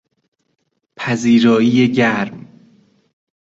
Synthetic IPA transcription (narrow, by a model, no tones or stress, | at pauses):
pʰæziːɾɒːiːjeɟæɾm